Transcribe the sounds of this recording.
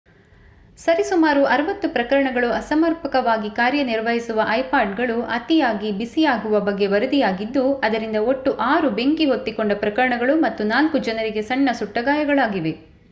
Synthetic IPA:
sɐɾisumaːɾuʔɐɾɐʋɐt̪ːupɾɐkɐɾɐɳɐɡɐɭuɐsɐmɐɾpɐkɐʋaːɡikaːɾjɐniɾʋɐɦisuʋɐʔɐjpaːɾɖɡɐɭuʔɐt̪ijaːɡibisijaːɡuʋɐbɐɡːe̞ʋɐɾud̪ijaːɡid̪ːuɐd̪ɐɾind̪ɐo̞ʈːuʔaːɾube̞ŋkiɦo̞t̪ːikoɳɖɐpɾɐkɐɾɐɳɐɡɐɭumɐt̪ːunaːlkud͡ʒɐnɐɾiɡe̞sɐɳːɐsuʈːɐɡaːjɐɡɐɭaːɡiʋe̞

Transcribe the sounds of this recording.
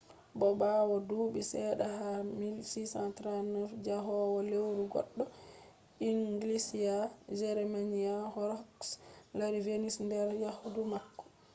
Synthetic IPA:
bɔbaːwɔdubisɛɗahamilsisantɾanɛfd͡ʒaɦɔwɔlewɾuɡɔ̰ɗːɔ | iŋɡlisijad͡ʒɛɾɛmanijahɔɾkslaɾivenisndɛɾjahudumakːɔ̥

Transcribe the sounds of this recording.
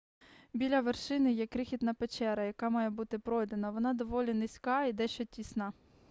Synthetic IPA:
bʲilʲɐʋerʃɪnɪjɛkɾɪxʲit̪nɐpet͡ʃɛɾɐjɐkɑmɑjɛbut̪ɪpɾɔjd̪enɐʋɔnɑd̪ɔʋɔlʲinɪsʲkɑid̪ɛʃt͡ʃɔtʲisnɑ

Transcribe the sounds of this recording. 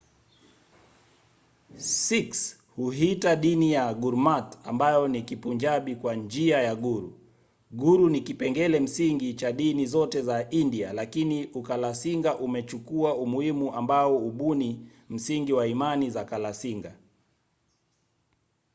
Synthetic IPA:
siks | huɦitaɗinijaɡuɾmatambajɔnikipuɲd͡ʒaɓikwand͡ʒiajaɠuɾṵ | ɡuɾunikipɛŋɡɛlɛm̩siŋɡit͡ʃaɗinizɔtɛzaʔindia̰lakiniʔukalasiŋɡaʔumɛt͡ʃukuaumuhimuʔambaɔuɓuni | m̩siŋɡiwaimanizakalasiŋɡa

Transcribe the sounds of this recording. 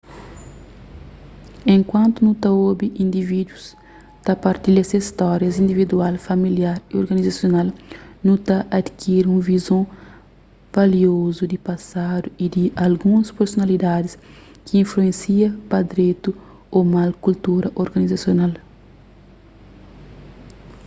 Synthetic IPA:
ẽŋkwɐ̃nt̪unũt̪ɐobiĩnd̪ivid̪wus | t̪ɐpɐɾt̪ilɐsɐist̪ɔɾjɐzĩnd̪ivid̪ualfɐmiljaɾioɾɡɐnizasjonalnũt̪ɐʔad̪kʰiɾũvizõ | v̥aliozud̪ipasad̪uid̪iɐlɡũɐspeɾsonɐlid̪ad̪is | kiĩnfluẽnsiɐpɐd̪ɾet̪u | omalkult̪uɾɐʔoɾɡɐnizasjonal

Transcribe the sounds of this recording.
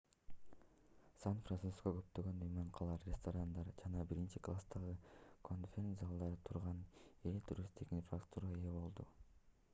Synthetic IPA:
sanfransuskoɡø̞pt̪øɡø̞nyjmøɴqʰɑlˠɑɾɾʲest̪oɾand̪ɑɾd͡ʒɑnɑbiɾint͡ʃiklˠast̪ɑʁɯkʰo̞nfʲenzɑlˠd̪ɑɾɯt̪ʰuɾʁɑnet̪ʰuɾʲist̪ikinfrakt̪uɾɑejebo̞lˠd̪u

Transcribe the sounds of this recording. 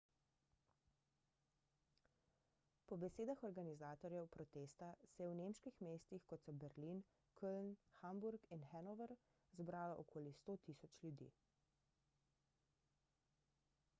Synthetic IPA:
pɔbɛseːd̪axɔɾɡanizaːt̪ɔɾjɛwpɾɔt̪est̪asɛjɛwnemʃkixmeːst̪ixkɔt̪sɔbɛɾlin | kʰəlnxambuɾkinxɛnɔʋəɾ | zbɾaːlaʔɔkʰoːlist̪oːt̪iːsɔt͡ʃlʲjud̪ḭː

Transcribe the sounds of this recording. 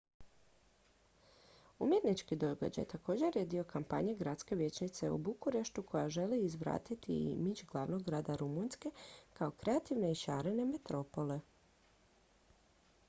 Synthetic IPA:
ṵmjet̪nit͡ʃkid̪o̞ɡa̰d͡ʑa̰jt̪ako̞d͡ʑe̞ɾjed̪io̞kampa̰ɲeɡɾadt̪skeʋje̞t͡ɕnit̪se̞ṵbukuɾe̞ʃt̪ukʰo̞jaʒe̞liːzʋɾa̰ːt̪it̪ḭmit͡ʃɡlˠaʋno̞ɡːɾaːd̪aɾumunske̞kao̞kɾe̞at̪iʋne̞iʃaːɾe̞ne̞me̞t̪ɾo̞po̞le̞

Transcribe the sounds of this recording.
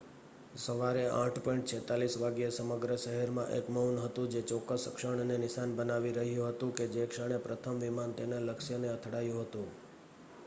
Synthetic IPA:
səʋaɾeʔãʈʰpɔ̃iɳʈt͡ʃʰɛt̪alisʋaɡjesəməɡɾəʃəɦəɾmã̰ʔḛkməunɦət̪ũd͡ʒet͡ʃɔkəsəkʃəɳnenɪʃanbənaʋiɾəɦjũɦət̪ũked͡ʒekʂəɽ̃epɾət̪ʰəmʋimant̪eneləkʃjəneət̪ʰɽajũɦət̪ũ

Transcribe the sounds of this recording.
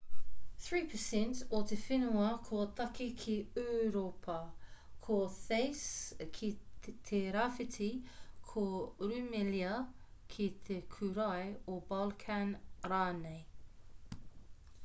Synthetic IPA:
θɹiːpʰəsɛ̃ntot̪ʰefɪnuɐkʰot̪ɐkikʰiœɾopʰɐkʰoθeɪskʰit̪ʰeɾafɪtʰikʰoɾʉmɛliɐ | kʰit̪ʰekʰʉɾajobalkʰanɾaːneɪ

